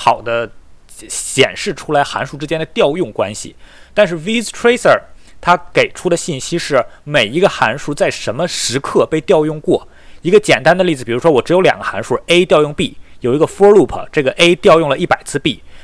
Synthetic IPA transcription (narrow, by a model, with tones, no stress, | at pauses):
xɑ˨˩ʊd̪ə˦ | ɕjɛ̰˨˩nʂɻ̩˥˩ʈ͡ʂʰu˥la˧˥ɪxa̰˧˥nʂu˥˩ʈ͡ʂɻ̩˥t͡ɕjɛ˥nd̪ə˨t̪jɑ˥˧ʊjʊ˥˩ŋkwa̰˥nɕḭ˨˩t̪a˥˧nʂ̬ɻ̩˥˩wi˥ztʰɹe˥ɪsə˞˥˩t̪ʰa˥ke˨˩ɪʈ͡ʂʰu˥d̪ə˨ɕi˥˩nɕi˥ʂɻ̩˥˩me˨˩ɪi˧˥ɡə˧xa˧˥nʂu˥t͡sa˥˩ɪʂə˧˥nmə˧ʂɻ̩˧˥kʰɤ˥˧pe˥˧ɪt̪jɑ˥˧ʊjʊ˥˧ŋkwɔ˥˩ | i˧˥ɡə˧t͡ɕjɛ˨˩nt̪a˥nd̪ə˧li˥˩d͡zɹ̩˩pi˨˩ɻu˧˥ʂwɔ˥wɔ˨˩ʈ͡ʂɻ̩˧˥jo˧˥ʊljɑ̰˨˩ŋɡə˦xa̰˧˥nʂu˥˩e˥ɪt̪jɑ˥˧ʊjʊ˥˧ŋpi˥˩jo˨˩ʊi˧˥ɡə˧fɔ˥lu˥˩pʰə̰˧˩ʈ͡ʂɤ˥˩ɡə˩ʔe˥ɪt̪jɑ˥˧ʊjʊ˥˩ŋlə˩ʔi˥˩pa˨˩ɪt͡sʰɹ̩˥˧pi˥˩